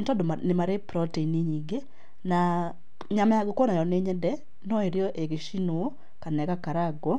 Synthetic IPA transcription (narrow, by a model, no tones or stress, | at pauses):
ntɔdoanemaɾepɾɔteiniɲiɡe | na | ɲamajaɡokɔnajɔneɲɛdɛ | nɔeɾjɔʔeɣeʃino | kanɛkakaɾaɡɔ